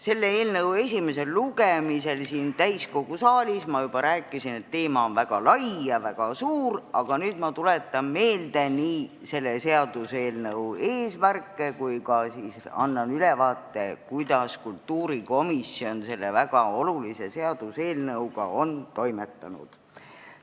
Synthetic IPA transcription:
se̞lːeeːlnɤwe̞sʲime̞se̞lːuɡ̥emise̞lsiːnt̪æjsko̞ɡ̥usɑːlʲismɑjub̥ɑɾæːkːˑisine̞t̪ːe̞ːmɑonvæɡ̥ɑlɑjjɑvæɡ̥ɑsuːrɑɡ̥ɑnyːd̪̥mɑt̪ulet̪ːˑɑnme̞ːld̪̥e̞niː | se̞lːese̞ɑd̪̥use̞ːlnɤwe̞ːsmærkːˑe̞kujkɑsiːsɑ̰nːɑnylevɑːt̪ːe̞kujd̪̥ɑskult̪ːuːɾiko̞misːio̞nse̞lːevæɡ̥ɑo̞lulise̞se̞ɑd̪̥use̞ːlnɤwɡ̥ɑ̰o̞nt̪o̞jme̞t̪ːɑnṵd̪̥

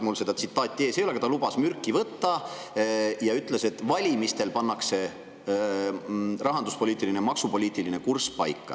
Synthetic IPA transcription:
mulse̞d̪ɑt̪sit̪ːˑɑːt̪ʲːie̞ːseoleɡɑt̪ɑlubɑsmyrkˑːivɤt̪ːɑ | jɑyt̪ˑlese̞t̪ːˑvɑlʲimist̪e̞lpɑnːɑkse̞ | rɑɦɑnd̪uspoliːt̪ːˑilinemɑksupo̞lʲiːt̪ːˑiline̞kurspɑ̰jkːɑ̰

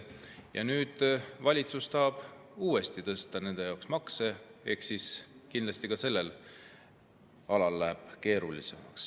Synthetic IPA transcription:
jɑ̰nyːd̪̥vɑlʲit̪sust̪ɑːb̥uːe̞st̪it̪ɤ̞st̪ɑne̞nd̪e̞jɑoksmɑkse̞ehksiskinlɑst̪ikɑse̞lːe̞l | ɑlɑlːæːb̥ke̞ːɾulise̞̰mɑ̰ks

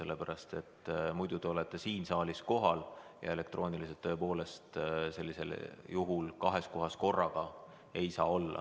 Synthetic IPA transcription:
se̞lːepæɾɑst̪e̞t̪ːmujd̪̥ud̪̥e̞o̞let̪ˑːe̞siːnsɑːlʲisko̞ɦɑljɑ̰e̞le̞kt̪ɾro̞ːnilis̬et̪ːoepo̞ːle̞st̪se̞lʲːise̞̰ljuɦulkɑɦe̞sko̞ɦɑsko̞rːɑɡ̥ɑ | e̞jsɑːo̞lːɑ̰

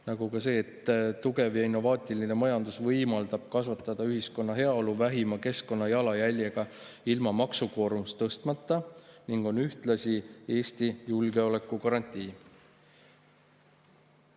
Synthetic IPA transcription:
nɑɡukɑse̞ːt̪ːt̪ːuɡ̥e̞vjɑinːo̞vɑːt̪ʲˑiline̞mɑjɑnd̪usvɤjmɑld̪̥ɑb̥kɑsvɑt̪ːˑɑd̪̥ɑyɦisko̞nːɑɦe̞ɑo̞luvæɦimɑke̞sko̞nːɑjɑlɑjælʲjeɡ̥ɑ | ilmɑmɑksuko̞ːɾumust̪ɤst̪mɑt̪ːɑniŋɡ̥o̞nyht̪lɑsʲie̞ːst̪ijulɡe̞o̞le̞kːukɑɾɑnʲt̪ʲːˑiː

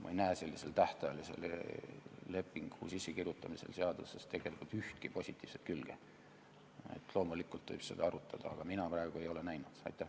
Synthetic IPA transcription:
mʔɑ̰ejnæese̞lːise̞lt̪æht̪ɑjɑlise̞̰l | le̞pːˑiŋɡ̥hṵːsisːekirjut̪ːˑɑmise̞̰lse̞ɑd̪̥use̞st̪e̞ɡ̥e̞likult̪yht̪kipo̞sʲit̪ːˑiːv̥se̞t̪̚kylɡ̥e | ḛt̪ːˑlo̞ːmulikːˑult̪vɯ̰jb̥se̞d̪ɑɑɾut̪ʰːˑɑd̪̥ɑɑɡ̥ɑminɑprɑeɡ̥ue̞jo̞le̞næjnud̪̥ɑ̰jt̪ːˑæh

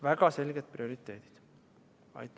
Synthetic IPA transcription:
væɡ̥ɑse̞lɡ̥et̪̚prio̞ɾit̪ˑːe̞ːd̪̥i̥d̪̥ | ɑ̰jt̪ːˑ

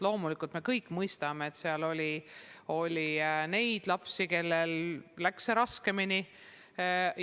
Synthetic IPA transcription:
lo̞ːmulikːˑult̪me̞kɤjkːˑmɤjst̪ɑmeet̪ːseɑlo̞lʲio̞lʲine̞jd̪̥lɑpsike̞lːe̞lːækseɾɑske̞mini

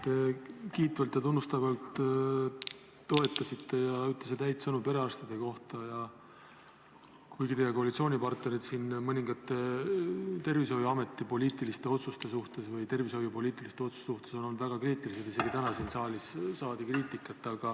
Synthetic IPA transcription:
t̪e̞kiːt̪vɑlt̪jɑt̪unːust̪ɑvɑlt̪ | t̪o̞e̞t̪ːˑɑsit̪ːe̞jɑyt̪ːˑles̬et̪æjt̪sɤnupe̞ɾe̞ɑst̪id̪̥e̞ko̞ht̪ɑjɑ | kujɡit̪e̞jekoɑlit̪sioːnʲipɑrt̪ne̞ɾid̪siːnmɤnʲiŋɡ̥ɑt̪ːˑe | t̪e̞rvis̬o̞juɑme̞t̪ːˑipo̞lʲiːt̪ˑilist̪e̞o̞t̪sust̪e̞suht̪e̞svɯjt̪e̞rviso̞jupoliːt̪ˑilist̪eo̞t̪su̥ssuht̪e̞so̞no̞lːnd̪væɡ̥ɑkriːt̪ˑilise̞t̪ise̞ɡ̥it̪ænɑsiːnsɑːlʲissɑːd̪̥ikriːt̪ˑikːˑɑt̪ːˑɑɡ̥ɑ

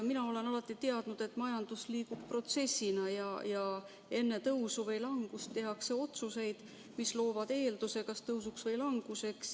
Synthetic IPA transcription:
minɑo̞le̞nɑlɑt̪ːˑit̪e̞ɑd̪̥nud̪̥e̞t̪ːˑmɑjɑnd̪̥usliːɡub̥pro̞t̪se̞sːinɑjɑjɑ | e̞nːe̞t̪ɤwsuvejlɑŋɡ̥ust̪ːe̞ɦɑkse̞o̞t̪suse̞jd̪̥ | mislo̞ːvɑd̪̥eːld̪̥use̞kɑst̪ɤwsuksvɤjlɑŋɡ̥use̞ks

